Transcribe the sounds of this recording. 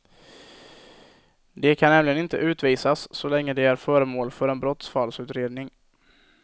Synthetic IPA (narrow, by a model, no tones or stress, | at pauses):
d̪ɛkʰanːɛmlɪɡənɪnt̪ə̰ʔʉ̟ːt̪viːsasːɔlɛŋːəd̪ɛæɾfœːɾəmoːlfœɾɛnbɾɔt̪sfalsʉ̟ːt̪ɾeːd̪nɪŋ